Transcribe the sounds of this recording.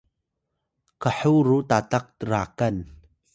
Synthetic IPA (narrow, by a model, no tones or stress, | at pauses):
kəħuɾut̪aːt̪ɐk̚t̪əɾaːkɐn